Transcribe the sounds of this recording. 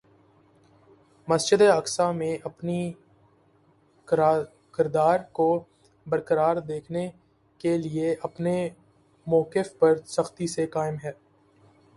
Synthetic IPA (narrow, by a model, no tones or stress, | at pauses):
mɐsd͡ʒɪd̪eɐksamẽʔɐpni | kɪɾd̪aːɾko | bəɾkəɾaːɾd̪eːkʰne | kelieʔɐpne | mɔːkɪfpɐɾsɐxt̪isekaːɪmɦɛː